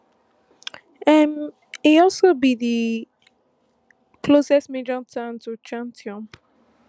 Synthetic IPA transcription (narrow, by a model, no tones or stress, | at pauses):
ɛm | iɔlsobiði | pʰlosɛsmed͡ʒɔtʰãntut͡ʃãntʰiɔ̃m